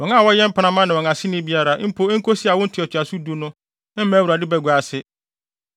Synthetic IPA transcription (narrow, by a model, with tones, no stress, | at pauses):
wɔ̃˨ŋã˦˨wɔ˦jɛ˦m̩˦pʰa˦nã˦mã˦nɪ̃˨wɔ̃˨ŋã˨sɪ˦nɪ̃˦bi˦a˦ɾa˨ʔm̩˦pʰo˦ŋ̩˦kʰo˦si˦a˨wʊ̃˦n̩˦tʰɪ˨ɔ˨t͡ɕʰᶣa˨su˦du˨˦nʊ̃˦ | ɪ̃˦mã˦wu˨ɾa˨dɪ˦bɛ˨ɡʷa˨sɪ˦